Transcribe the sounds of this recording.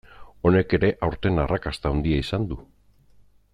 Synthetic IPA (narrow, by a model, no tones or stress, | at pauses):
o̞ne̞ke̞ɾe̞ʔawɾt̪e̞narakast̪awnd̪iaisand̪u